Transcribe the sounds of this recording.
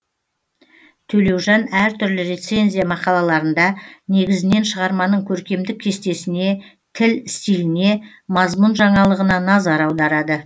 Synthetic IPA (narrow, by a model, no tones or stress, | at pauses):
t̪ʰɵle̞wʒɑnæɾt̪ʰʏɾlɪɾe̞t̪se̞nʲzʲijamɑqɑlˠɑlˠɑɾənd̪ɑne̞ɡʲɪzɪne̞nʃəʁɑɾmɑnəɴkʲʰɵɾkʲe̞md̪ɪkʲʰːe̞st̪e̞sɪne̞ | t̪ʰɪlɪst̪ijlɪne̞ | mɑzmʊnʒɑɴɑlˠəʁənɑnɑzɑɾɑwd̪ɑɾɑd̪ə